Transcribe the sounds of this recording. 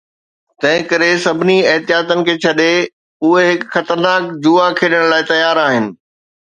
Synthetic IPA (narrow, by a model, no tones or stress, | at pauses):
t̪ɐ̃ɦɪ̃kɐɾesɐbʱɪniɐɦt̪ijaːt̪ənɪ̆kʰeːt͡ɕʰɐɗe | ʊɦeɦɪkxɐt̪əɾnaːkd͡ʑuːakʰeːɗəɽ̃laːɪt̪ɐjaːɾaːɦɪnɪ̆